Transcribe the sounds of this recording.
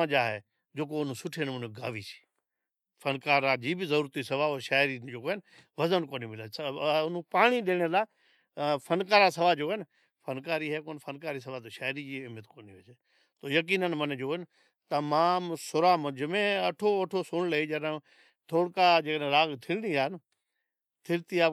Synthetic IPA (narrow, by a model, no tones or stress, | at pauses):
ãd͡ʒaːɦeː | d͡ʒoːk̬oʊnũsʊʈʰeːnʊ̃nɡaːʋisʰi̥ː | fʰɐnkaːɾad͡ʑiːbɪzɐɾuːɾt̪isɐʋaːoʃaːɪɾid͡ʒoːkoːɦɪnɪ | ʋɐzənkoːnimɪlaːʊnũpaːɽ̃iɗeːɽ̃elaː | fʰɐnkaːɾasɐʋad͡ʒoːɦn | fʰənkaːɾiːɦɛːkoːnfʰənkaːɾiːs̬əʋaːt̪oːʃaːɦɾiːd͡ʒiːɪmət̪koːniːʋet͡ʃeː | t̪oːjək̬iːnənmənd͡ʒoːn | t̪əmaːmsʊɾaːməd͡ʒəmẽːəʈʰoːəʈʰoːsʊɳləiːd͡ʒəɗə̃ | t̪ʰoːɽkaːd͡ʒeːkɗẽːɾaːɡt̪ʰɪlniːaːn | t̪ʰɪlt̪iːaː